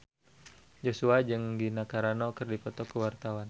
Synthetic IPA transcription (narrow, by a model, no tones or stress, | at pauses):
d͡ʒosuad͡ʒɨŋɡinakaɾanɔkɨrdipɔt̪ɔkəwart̪awan